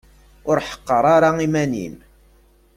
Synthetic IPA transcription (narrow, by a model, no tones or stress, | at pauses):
ʊɾħə̥qːəɾˤaɾaimænḭn